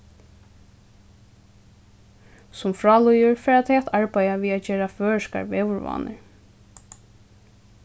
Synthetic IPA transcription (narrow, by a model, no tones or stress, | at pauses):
sʊmfɹɔːlɔjʊɹfɛːɹat̪ʰɛat̪ʰaɹpajaʋiːad͡ʒeːɹaføːɹʂka̰ɹʋɛːʋʊɹva̰ːnə̰ɹ